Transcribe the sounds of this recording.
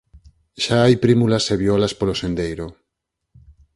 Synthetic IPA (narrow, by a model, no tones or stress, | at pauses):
ʃaajpɾimulaseβjolaspolosend̪ejɾo